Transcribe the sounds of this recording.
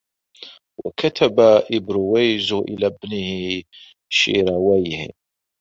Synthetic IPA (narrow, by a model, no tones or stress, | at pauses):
wa̰kat̪ʰabaʔɪbɾʊwajzʔɪ̰laːbnɪhɪ | ʃḭːɾawajhɪ̰